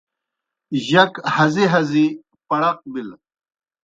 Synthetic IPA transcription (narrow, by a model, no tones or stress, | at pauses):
ʑɐkhɐziɦɐzi | pɐɽɐq̚bil